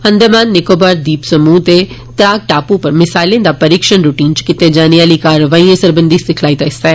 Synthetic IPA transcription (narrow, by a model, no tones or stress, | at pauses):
ə̃nd̪əmaːnːɪkobaɾd̪iːpsəmuːt̪e | t̪ɾaːɡ̚ʈaːpũpəɾmɪsaːlẽːd̪aːpəɾikʃənɾʊʈiːnt͡ʃkɪt̪ed͡ʒaːniʋaːliːkaːɾəʋaːiːẽsəɾbə̃nd̪isɪkʰlaːit̪aɪsaɛː